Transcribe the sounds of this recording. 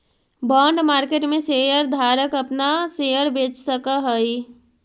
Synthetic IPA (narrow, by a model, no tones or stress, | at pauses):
bɔːɳɖmaɾkeʈmẽsejəɾd̪ʱaɾəkəpnasejəɾbet͡ʃsəkəɦəj